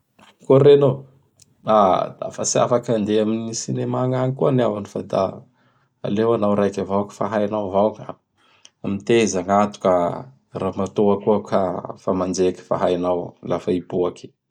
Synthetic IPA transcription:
kuɾeno | ad̪a̰fa̰sia̰fakand̪eaminisinemaŋaŋikuanawanifad̪a̰ | a̰lewanawɾajkʲavawki̥faɦajnawvawŋa̰ | amit̪ezaŋat̪u̥kə | ramat̪oakuakʰafamand͡zekʲi̥fa̰ɦajnawlʔafaibuaki̥

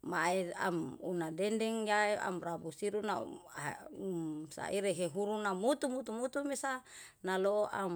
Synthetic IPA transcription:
maea̰munadɛndɛŋjaea̰mrabusiɾuna̰amsa̰ʔiɾeɦeɦuɾunamut̪umut̪umut̪umesa | naloʔa̰m

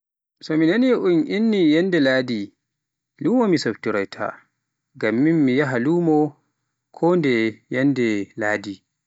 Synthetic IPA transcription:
sɔminaniʔunʔinːijɛndɛlaːdi | luːmɔmisɔbtuɾajtʰa̰ | ɡamːimːijaɦaluːmɔ | kʰɔndɛjɛndɛlaːdi

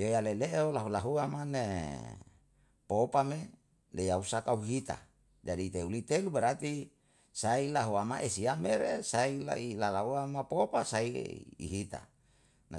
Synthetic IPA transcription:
jojaleleʔolaɦulaɦuamane | popame | lejausakauɦit̪a̰ | d͡ʒadit̪eulit̪elubeɾat̪i | sailaɦuamaʔesiameɾesaila̰ʔilalauamapopasaḭḭɦit̪a̰ | na

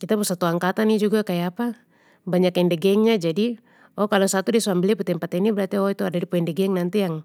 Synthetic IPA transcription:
kit̪apɔsat̪uaŋkat̪anid͡ʒuɡakajaapa | baɲakɛndɛɡɛŋɲad͡ʒadi | ɔkalɔsat̪udisuambiliaput̪ɛmpat̪ɛnibɛɾat̪iɔit̪uadadipɔɛndɛɡɛŋnant̪ijaŋ

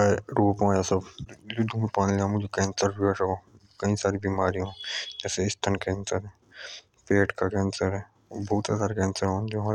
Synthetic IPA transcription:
aɾuːpaːjasɐbʊd̪ʱũmpãːnleamʊd͡ʒʱekɛ̃ːnsəɾbəʈoː | kɐĩsaːɾibiːmaːɾiɦõːd͡ʒɛːseɪst̪ʰənkɛ̃ːnsəɾɦɛː | peːʈkakɛ̃ːnsəɾɦɛː | bʱɔːʊt̪asaːɾekɛ̃ːnsəɾɦõːd͡ʒoːɦa

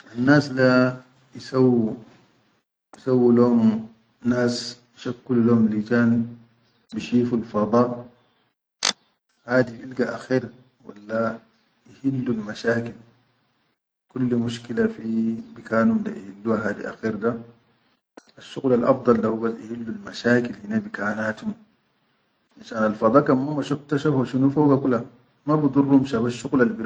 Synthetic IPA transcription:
ʔanːaːsla | jisawːu | jisawːilaum | naːsjiʃakːululahumlid͡ʒaːn | biʃiːfulfɑd̪ˤɑːʔ | haːd̪iʔilɡaʔaxiːɾ | wa̰lːa | jihilːulmaʃaːkil | kulːmuʃkilafibikaːnumda̰ʔihilːuhaɦaːd̪ḭʔa̰xiːɾda | ʔaʃːuɣlalʔɑ̰fd̪ˤɑldahubasʔihilːulmaʃaːkilhinabikaːnaːt̪um | ʔinʃaːnalfɑd̪ˤɑːkamːamaʃukt̪aʃafaʃunufoɡakula | mabɨd̪ˤurˤːumʃabaʃːuɣlalbiɾ

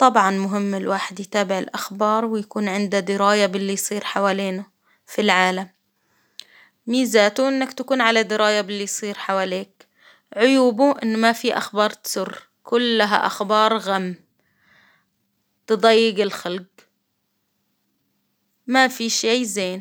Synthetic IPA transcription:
t̪ˤɑbʕɑnmʊɦɪmːɪlwaːħɪd̪jt̪aːbɪʕɪ̰lʔaxbɑːɾˤwɪjakuːnʕɪnd̪ad̪ɪɾɑːjabɪlːijsˤiːɾħawaːleːna | filʕaːlam | iːzaːt̪uʔɪnːakt̪akuːnʕalad̪ɪɾɑːjabɪlːijsˤiːɾħawaːleːk̚ | ʕʊjuːbuʔɪnːmafiʔa̰xbɑːɾˤt̪sʊrː | kʰʊlːaɦa̰ʔa̰xbɑːɾˤɣamː | t̪ɨd̪ˤɑjːɪɡɪlxalɡ | mafiʃiːzeːn

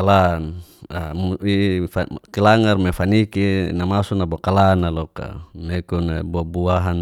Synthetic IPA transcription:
alanauifakilaŋarmefanikinamasunabɔkalanalɔka̰mekunabɔbuaɦan

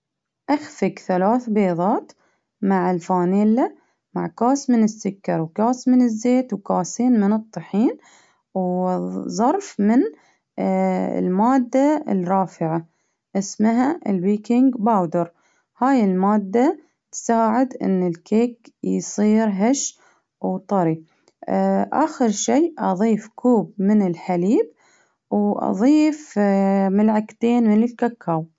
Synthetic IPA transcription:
ʔaxfɪkθalaːθbeːðˤɑːt̪ | maʕɪlfaːneːlːa | maʕkaːsmɪnɪsːʊkːɑɾˤwkaːsmɪnɪzːeːt̪wkaːseːnmɪnɨt̪ˤːɨħiːn | wzˤɑɾˤfmɪn | lmaːd̪ːaɪ̰lrˤɑːfɪʕa | ʔɪsmɦaɪlwiːkɪŋɡbaːwd̪ɪɾˤ | haːjɪlmaːd̪ːa | t̪saːʕɪd̪ʔɪ̰nːɪlkeːkjsˤiːɾɦaʃ | wt̪ˤɑɾi | ʔa̰xɪɾʃiːʔɑðˤiːfkʰuːbmɪnɪlħaliːb | wʔɑ̰ðˤiːfmɪlʕakt̪eːnmɪnɪlkakʰːaːw

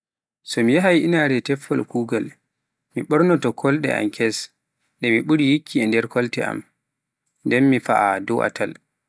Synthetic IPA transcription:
sɔmijaɦajʔinaɾɛtɛfːɔlkuːɡal | miɓɔɾnɔtɔkʰɔlɗɛ̰ʔa̰mkʰɛs | ɗɛmiɓuɾijikʰːiɛndɛɾkʰɔltɛa̰m | ndɛnmifa̰ʔadɔʔa̰tʰal

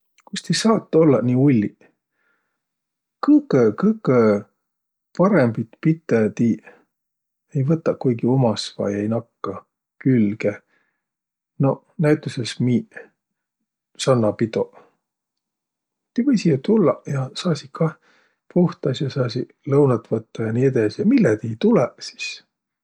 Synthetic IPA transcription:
kust̪esɑːt̪ːˑo̞lːɑ̰niːulʲːi | kɤkːekɤkːe | pɑɾembit̪pit̪ːˑet̪i | ejvɤt̪ːˑɑkujɡio̞mɑsvɑ̰jejnɑkːɑ | kylɡe | no̞ | næjt̪ːˑusesmiː | sɑnːɑpit̪o | t̪ivɤjsijɑt̪ulːɑjɑsɑːsikɑ | pʰuht̪ɑsjɑsɑːsi | lɤwnɑt̪ːvɤt̪ːɑjɑniːed̪ɑsijɑmilːɛt̪iːt̪ulɛsi̥s

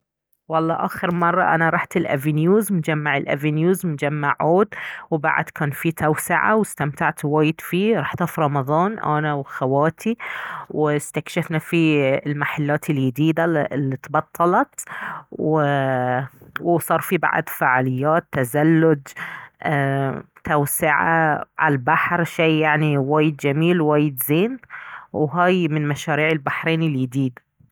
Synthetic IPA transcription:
wɑlˤːɑːʔaːxɪɾmɑrˤːɑ̰ʔa̰naɾˤɑːħt̪ɪlʔavinjuːzmd͡ʒamːaʕɪlʔa̰vinjuːzmd͡ʒamːaʕʔuːd̪wba̰ʕ̰d̪kʰaːnfit̪awsɪʕa̰wɪst̪amt̪aʕt̪waːjɪd̪fiɾˤɑːħt̪ɑfɾˤɑmɑðˤɑːnʔa̰ːnawxawaːt̪ʰiwɪst̪akʃafnafilmaħalːaːt̪ɪljɪd̪iːd̪alːit̪bɑt̪ˤʰːɑlɑt̪wɪ | wsˤɑːɾˤfiba̰ʕa̰d̪faʕaːlɪjːaːt̪ːazalːʊd̪ | t̪awsɪʕa̰ʕa̰lalbaħɾʃeːjaʕniwaːjɪd̪d͡ʒamiːlwaːjɪd̪zeːnwɦaːjmɪnmaʃaːɾiːʕɪlbaħɾeːnɪljɪd̪iːd̪

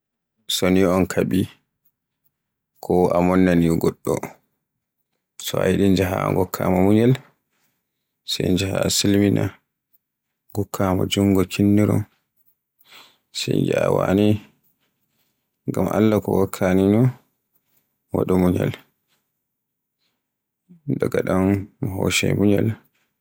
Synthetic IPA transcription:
sɔniɔnkʰaɓi | kʰɔamɔnːaniɡɔɗːɔ̰ | sɔajɗind͡ʒaɦaŋɡɔkʰːamɔmuɲɛl | sɛjnd͡ʒahasilmina | ɡɔkʰːamɔd͡ʒuŋɡɔkʰinːiɾɔ̰n | sɛjd͡ʒaawani | ŋɡamʔalːakɔwakʰːaninɔ | waɗɔmuɲɛl | daɡaɗamːɦɔʃɛmuɲɛl

